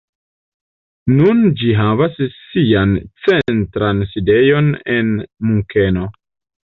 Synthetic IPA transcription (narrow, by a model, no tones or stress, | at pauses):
nund͡ʒiɦavassiant͡sentɾanside̞jo̞nenmuŋke̞no̞